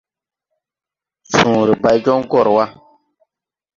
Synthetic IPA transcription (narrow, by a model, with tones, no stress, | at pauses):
sũː˨ɾi˨ba˨jd͡ʒɔ˦ŋ˦ɡɔ˦˨ɾwa˦